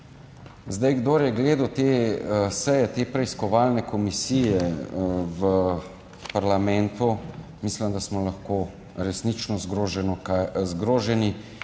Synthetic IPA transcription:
zd̪ajɡd̪oːɾjɛɡleːd̪ut̪esɛjɛt̪eːpɾɛiskɔʋaːlnɛkɔmisijɛ | ʋə | paɾlamɛnt̪umisləmd̪asmɔlaxko | ɾɛsnit͡ʃnɔzɡɾoːʒɛnɔkazɡɾoːʒɛni

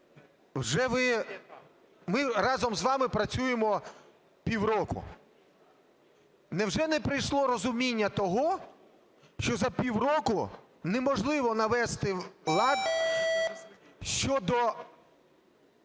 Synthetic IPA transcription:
wʒɛʋɪ | mɪɾɑzɔmzʋɑmɪpɾɐt͡sʲujemɔ | pʲiwɾɔkʊ̰ | nɛwʒɛnɛpɾɪjʃlˠɔɾɔzʊmʲinʲːɐt̪ɔɦɔ | ʃt͡ʃɔzɐpʲiwrɔkʊ | nɛmɔʒlˠɪʋɔnɐʋɛst̪ɪlˠɑd̪ | ʃt͡ʃɔd̪ɔ

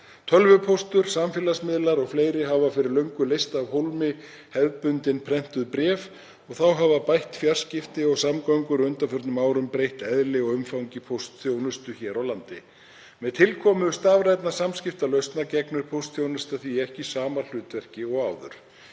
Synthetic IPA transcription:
t̪ʰœlvʏpʰowst̪ʏɾ̥samfɪːlasmɪðlaɾɔɣfleːjɾɪɦavafɪɾɪɾlœɥŋkʏlejst̪avɦowlmɪ | hɛðpʏnt̪ɪnpʰɾɛn̥t̪ʏðpɾɛːf | ɔɣθawɦavapajht̪fjar̥scɪft̪ɪɔɣsamkajŋkʏɾʏnt̪afʏɾt̪nʏmawɾʏmpɾejht̪ɛðlɪɔɣʏmfawɲcɪpʰowst̪θjownʏst̪ʏçɛːɾawlant̪ɪ | mɛðt̪ʰɪlkʰɔmʏðʏst̪aːvɾajt̪nasamscɪft̪alœɥst̪nacɛknʏɾ̥pʰowst̪θjownʏst̪aθiɛhcɪsaːmal̥ʏːt̪vɛr̥cɪɔɣaːwðʏ̰ɾ̥

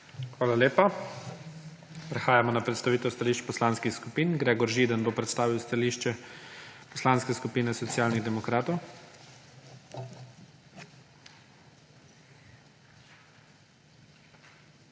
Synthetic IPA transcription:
xʋaːlaleːpa | pɾɛxaːjamɔnapɾɛt̪st̪aʋiːt̪ɛwst̪aliːʃt͡ʃpɔslanskixskupiːnɡɾeːɡɔɾʒiːd̪ənbopɾɛt̪st̪aːʋiwst̪aliʃt͡ʃɛ | pɔslanskɛskupiːnɛsɔt̪sjaːlniɣd̪ɛmɔkɾaːt̪ɔw

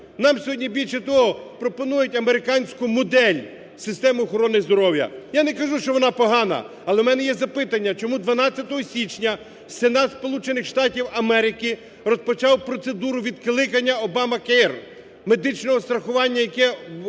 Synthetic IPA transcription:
nɑmsʲɔɦɔdʲnʲibʲilʲʃɐt̪ɔɦɔpɾɔpɔnujʊtʲɐmeɾɪkɑnʲsʲkʊmʊd̪ɛlʲ | sɪst̪ɛmɪɔxɔɾɔnɪzd̪ɔɾɔwjɐ̰janɛkɐʒuʃt͡ʃɔʋɔnɑpɔɦɑnɐ̰ | ɐlˠɛmɛnɛjɛzɐpɪt̪ɐnʲːɐt͡ʃɔmud̪ʋɐnɑtt͡sʲːɐt̪ɔɦɔsʲit͡ʃnʲɐ | senɑt̪spɔlˠut͡ʃenɪxʃt̪ɑtʲiwɐmɛɾɪkɪ | rɔspɔt͡ʃɑwpɾɔt̪sed̪uɾʊʋʲid̪̚klˠɪkɐnʲːɐɔbɑmɐkɛr | me̞d̪ɪt͡ʃnɔɦɔst̪ɾɐxʊʋɑnʲːɐjɐkɛ

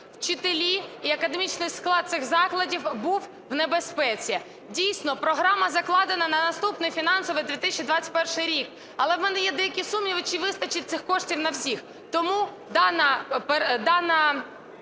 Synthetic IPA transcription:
wt͡ʃɪt̪elʲiiɐkɐd̪emʲit͡ʃnɪjsklˠɑd̪̚sɪxzɑklˠɐdʲiwbuw | wnebespɛt͡sʲi | dʲijsʲnɔpɾɔɦɾɑmɐzɐklˠɑd̪enɐnɐnɐst̪upnɪjfʲinɑnsɔʋɨjd̪ʲit̪ɪsʲt͡ʃid̪ʋɑt͡sʲɐ̥t̚ʲpɛrʃɪjɾʲik | ɐlˠɛwmɛnɛjɛd̪ɛjɐkʲisumjʲiʋɪt͡ʃiʋɪst̪ɐt͡ʃɪt̚ʲt̪sɪxkɔʃtʲiwnɐwsʲix | t̪ɔmu | d̪ɑnɐped̪ɑnɐ

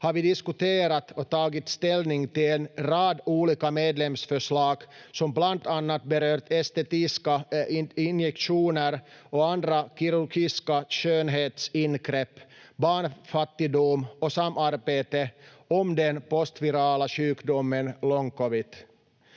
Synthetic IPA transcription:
hɑɾvɪd̪ɪskʉt̪eːɾat̪ʰɔt̪ʰɑːɡɪt̪st̪ɛlnɪŋt̪ɪlɛnɾɑːd̪uːliːkameːd̪lɛmsfœʂlɑːɡsɔmblant̪anːat̪̚bɛɾøːɾt̪ɛst̪ɛt̪ɪskaɪnjɛkʂuːnəɾɔand̪ɾakʰiɾʉɾɡiskaɕøːnɦeːt̪sɪnɡɾɛpːbɑːɳfat̪ːɪd̪umɔsamːaɾbeːt̪ə | ɔmd̪ɛnpɔst̪vɪɾɑːlaɕʉ̟ːkd̪ɔmːənlɔŋkɔʋɪt̪

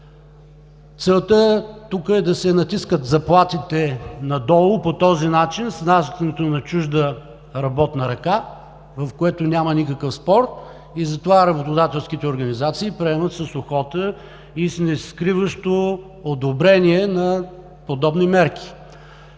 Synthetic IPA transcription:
t̪sɛlˠt̪ət̪ukəɛd̪ɐsɛnɐt̪iskət̪zɐplˠat̪it̪ɛnɐd̪ɔlˠʊpot̪ɔzinat͡ʃinsnast̪nɛt̪onɐt͡ʃuʒd̪ə | ɾɐbɔt̪nəɾɐka | vɐfkoɛt̪onʲamənikəkəfspɔɾt̪ | izɐt̪ovaɾɐbot̪od̪at̪ɛlˠskit̪ɛoɾɡənizat̪siːpɾɛɛmət̪səsoxɔt̪ə | isnɛskɾivəʃt̪o | od̪obɾɛniɛnɐ | pod̪ɔbnimɛɾk̟i̥

